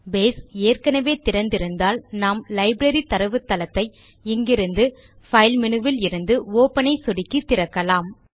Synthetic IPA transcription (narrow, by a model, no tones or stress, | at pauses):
beːseːrkɐnɐʋeːt̪ɪɾɐnd̪ɪɾɯnd̪aːlnaːmlɐɪbɾɐɾit̪ɐɾɐʋɯt̪ːɐlɐt̪ːɐɪ | ɪŋɡɪɾɯnd̪ɯ | fɐɪlmɪnɯʋɪlɪɾɯnd̪ɯoːpɐnɐɪsɔɽɪkːit̪ːɪɾɐkːɐlaːm